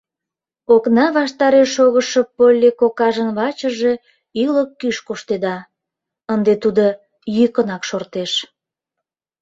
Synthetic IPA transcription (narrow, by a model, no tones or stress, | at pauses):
oknɑβɑʃt̪ɑɾeʃoɣəʃəpːolʲːekokɑʒənβɑt͡ɕəʒe̽ | yləkːyʃkoʃt̪ed̪ɑ | ənd̪et̪ud̪o | jykənɑkʃort̪eʃ